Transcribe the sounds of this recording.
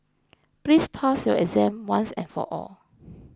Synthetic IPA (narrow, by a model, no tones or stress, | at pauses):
plispʰasjɔɛzɛ̃mwãnsɛ̰̃nfɔ̰ʔɔ̰l